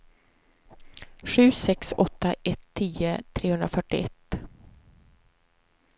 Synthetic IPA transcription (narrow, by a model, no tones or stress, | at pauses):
ɧʉ̟ːsɛksɔt̪ːaʔɛt̪ʰːiːət̪ʰɾeːhɵnd̪ɾafœʈːɪɛt̪ː